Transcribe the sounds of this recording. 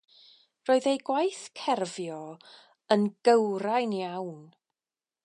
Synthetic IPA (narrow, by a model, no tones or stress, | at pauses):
roːɨðejɡwajθkʰɛrvjɔ | ənɡ̥əwɾajnjawn